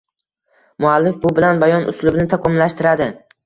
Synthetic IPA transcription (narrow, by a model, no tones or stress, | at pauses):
mʊalːɪfbʊbɪlanbajɒnʊ̰slʊbnɪt̪ʰaqʰɒmlaʃt̪ɪɾad̪ɪ